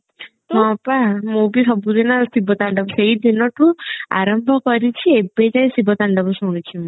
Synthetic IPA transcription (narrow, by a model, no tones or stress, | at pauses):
ɦɔ̃pamubisɔbud̪inasibʱɔt̪aɳɖɔbɔseid̪ʱinɔʈũa̰ɾɔmbʱɔkɔɾit͡ʃʰiebed͡ʒaj̃sibʱɔt̪aɳɖɔbɔsuɽ̃it͡ʃʰim